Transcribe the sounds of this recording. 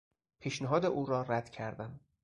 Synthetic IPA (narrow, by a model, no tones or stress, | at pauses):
pʰiːʃneɦɒːd̪eʔuːɾɒːɾæd̪̥cʰæɾd̪æm